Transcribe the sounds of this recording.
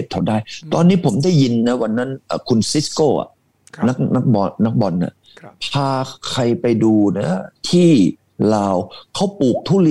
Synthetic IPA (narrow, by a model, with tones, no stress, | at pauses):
p̚t̪ʰa˨˩daː˥˩jt̪ɔː˧nːiː˦˥˩pʰo˩˦mda˥˩ji˧nːa˦˥wa˧nːa˦˥˩nʔə̰ː˨˩kʰu˧nsi˦˥skoː˥˩ʔa̰˨˩ | na˦˥k̚na˦˥k̚bɔː˧a˦˥k̚bɔ˧nːa̰˨˩ | pʰaː˧kʰa˧jpa˧jduː˧na˦˥t̪ʰiː˥˩ | laː˧wkʰa˦˥wpuː˨˩k̚t̪ʰuː˥˩li˦˥